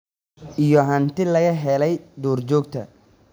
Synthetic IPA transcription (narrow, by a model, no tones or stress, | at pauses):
ʔijɔɦɐnt̪ʰɪlɐɣɐɦɛlɛjd̪ɔːrt͡ʃɔːɡt̪ʰɐ̰